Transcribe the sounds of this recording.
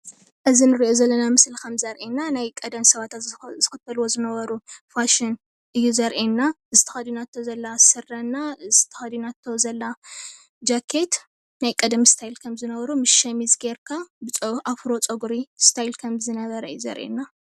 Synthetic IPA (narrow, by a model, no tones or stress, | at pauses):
ʔɨzinɨɾiʔo̞zɐlːɐnamɨslkʰɐmzɐɾʔenːanajkʼɐd̪ɐmsɐβat̪ʰazɨxɨt̪ʰːɐlwo̞zɨnɐβɐɾufaʃɪn | ʔɨjːuzɐɾʔenːaɨzɨt̪ʰɐ̥xɐd̪junat̪ʰːozɐlːasɨrːɐnːazɨt̪ʰɐ̥xɐd̪unat̪ʰːozɐlːa | d͡ʒakʰːe̞t̪ | najkʼɐd̪mst̪ʰajlkʰɐmzɨnɐβɐɾumɨʃɐmizɡeɾkʰabɨt͡sʼʔafɾo̞t͡sʼɐɡuɾist̪ʰajlkʰɐmzɨnɐβɐɾɐɨjːuzɐ̰ɾʔḛnːa